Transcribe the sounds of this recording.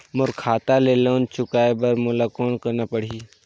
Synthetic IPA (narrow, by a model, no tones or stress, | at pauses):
mʊɾkʰaːt̪aleːloːnt͡ʃʊkaːebɐɾmʊlakoːɳkənapəɽ̤iː